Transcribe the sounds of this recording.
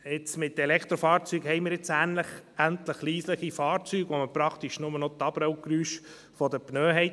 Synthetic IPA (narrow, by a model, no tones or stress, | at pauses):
ɪt͡smɪt̪ɛlɛkʰt̪ɾɔfɑːɾt͡syːɡhɛɪmɪːɾjɪt͡sæːnləχænt̪ləχliːsləχifɑːɾt͡syːɡ̥ʋoməpɾɑkʰt̪iʃnʊmənɔt̪ɑb̥ɾœʊkɾyːʃ | fɔd̪əpnœːɦɛɪt